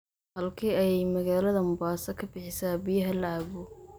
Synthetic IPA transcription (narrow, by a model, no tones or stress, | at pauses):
hɐlkʰiːɐjɛjmɐɣaːlɐðɐmʊbaːsɐkʰɐbɪħɪsaːbɪjɐɦɐlʕaːβʊ